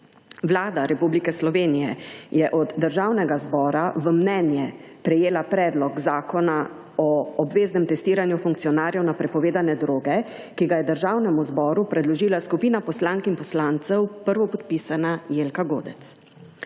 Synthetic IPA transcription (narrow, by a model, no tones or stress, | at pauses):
ʋlaːd̪aɾɛpublikɛslɔʋeːnijɛjɛʔɔd̪ːəɾʒaːwnɛɡazbɔːɾaʋəmnɛnjɛpɾɛjeːlapɾɛːd̪lɔkzaːkɔna | ɔɔbʋeːznɛmt̪ɛst̪iːɾanjufuŋk̚t̪sijɔnaːɾjɛwnapɾɛpɔʋeːd̪anɛd̪ɾoːɡɛ | kiɡajɛd̪əɾʒaːwnɛmuzbɔːɾupɾɛd̪lɔʒiːlaskupiːnapɔslaŋkinpɔslaːnt̪sɛwpəɾʋɔpɔt̪̚pisanajeːlkaɡoːd̪ɛt̪s